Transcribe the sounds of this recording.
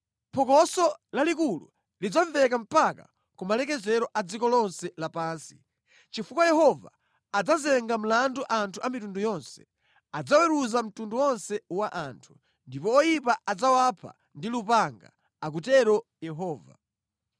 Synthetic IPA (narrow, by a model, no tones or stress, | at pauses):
pʰɔkɔsɔlalikulṵ | lid͡zaɱvɛkam̩paka | kumalɛk̬ɛzɛɾɔʔad͡zikɔlɔnsɛlapaːnsi̥ | t͡ʃifukwajɛɦɔva̰ː | d͡zazɛŋɡam̩landuʔantʰuʔamitundujɔnsɛ̥ | ad͡zawɛɾuzam̩tunduɔnsɛwaʔantʰu̥ | ndipɔɔjipaʔad͡zawapʰa̰ | ndilupaŋɡa̰ | ak̬utɛɾɔjɛɦɔːva̰